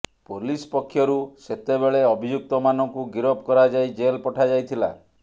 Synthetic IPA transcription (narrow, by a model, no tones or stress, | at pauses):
polispɔkʰːjɔɾuset̪ebeɭeɔbʱid͡ʒuk̚t̪ɔmanɔŋkuɡiɾɔb̚kɔɾad͡ʒajd͡ʒelpɔʈʰad͡ʒajt̪ʰila